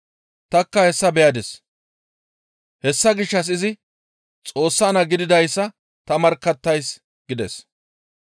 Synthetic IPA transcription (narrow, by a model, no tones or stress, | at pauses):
t̪ɐkːɐhɛsːɐbɛjɐd̪ɛs | hɛsːɐɡɪʃːɐs̬ɪzɪ | t͡sʼo̞ːsːɐːnɐɡɪd̪ɪd̪ɐjsːɐ | t̪ɐmɐɾkːɐt̪ːɐjs | ɡ̥ɪd̪ɛ̰s